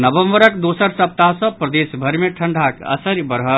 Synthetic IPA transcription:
nəbəmbəɾəkd̪osəɾsəp̚t̪asɔ̃pɾəd̪esbʱəɾmeʈʰəɳɖʱakə̰səɾibəɾɦə

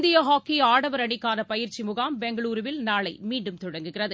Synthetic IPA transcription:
nd̪ɪjɐɦaːkːiaːɽɐʋɐɾɐɳɪkːaːɾɐpɐjɪɾt͡ʃimʊɣaːmbɛŋɡɐɭuːɾɯʋɪlnaːɭɐɪmiːɳɖɯmt̪ɔɽɐŋɡɯɣɪrɐðɯ

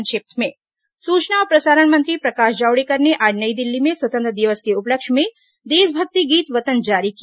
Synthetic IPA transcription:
nʃeːp̚t̪mẽ | suːt͡ʃnaɔːɾpɾɐsaːɾəɳmɐ̃nt̪ɾipɾɐkaːʃd͡ʒaːwɽekɐɾneʔaːɖnəid̪ɪlːimẽswɐt̪ənt̪ɾəd̪ɪʋəskeʊpləkʃmẽ | d̪eːʃbʱɐk̚t̪iɡiːt̪ʋɐt̪ənd͡ʒaːɾiki

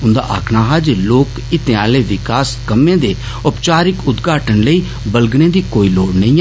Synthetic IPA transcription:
ʊnd̪a̰ːʔa̰ːkʰnaːɦaːd͡ʒloːk | ɪt̪ẽaːleːʋɪkaːskəmːẽːd̪eː | ʊpt͡ʃaːɾɪkʊd̪ɡaːʈənləiː | bəlɡnẽːd̪iːkoːiːloːɽnə̃ĩː

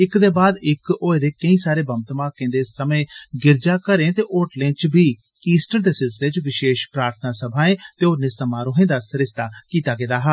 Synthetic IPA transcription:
ɪkd̪eːbaːd̪ɪkoːed̪eːkəĩːsaːɾeːbəmt̪mãːkẽnd̪eːsəmẽːɡɪɾd͡ʒaːkəɾẽːt̪eːʔoːʈlẽːɖt͡ʃbiː | iːsʈəɾd̪eːsɪset͡ʃʋɪʃeːʃpɾaːɾt̪ʰənaːsəbʱaːẽːt̪eːʊnẽːsəmaːɾoːɦẽːd̪aːsəɾɪst̪aːkiːt̪aːɡed̪aːɦa

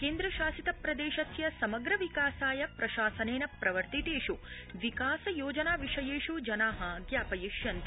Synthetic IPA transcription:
keːnd̪ɾɐʃaːsit̪ɐpɾɐd̪eːʃɐsjɐsɐmɐɡɾɐʋikaːsaːjɐpɾɐʃaːsɐneːnɐpɾɐʋɐɾt̪it̪eːʃu | ʋikaːsɐjoːd͡ʒɐnaːʋiʂɐjeːʃud͡ʒɐnaːɦɐɡjaːpɐjiʃjɐnt̪

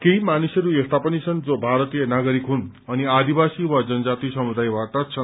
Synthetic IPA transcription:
keimanisʌɾuest̪apʌnit͡sʰʌnd͡zobʱaɾʌt̪ijʌnaɡʌɾikɦun | ʌniad̪ibasiwad͡zʌnʌd͡zat̪isʌmud̪ajbaʈʌt͡sʰʌn

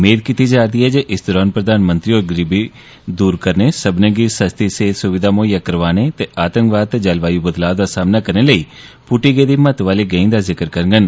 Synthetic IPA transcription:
meːd̪kit̪iːd͡ʒaːd̪iːɦɛːd͡ʒeːʔɪsd̪ɔːɾaːnpɾəd̪aːnmə̃nt̪ɾiːoːɾɡəɾiːbiː | d̪uːɾkəɾneːsəbneːɡiːsəst̪iːseːsʊʋɪd̪ʱaːmoːjaːkəɾʋaːneːt̪eːʔaːt̪ə̃ŋkʋaːd̪̚t̪eːd͡ʒəlʋaːjuːbəd̪laːd̪aːsaːmnaːkəɾneːləiː | pʊʈiːɡeːd̪iːmət̪ʋaːliːɡəːĩːd̪aːzɪkəɾkəɾŋɡən

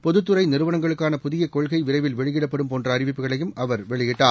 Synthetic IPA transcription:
pɔðɯt̪ːɯɾɐɪnɪɾɯʋɐnɐŋɡɐɭɯkːaːnɐpʊðɪjɐkɔɭɣɐɪʋɪrɐɪʋɪlʋɛɭɪɣɪɽɐpːɐɽɯmpoːndrɐːrɪʋɪpːɯɣɐɭɐjɯmɐʋɐɾʋɛɭɪɣɪʈːaː

